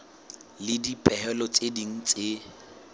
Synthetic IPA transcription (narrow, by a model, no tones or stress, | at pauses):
lɪdipʼɛhɛlɔt͡sʼediŋ̩t͡sʼe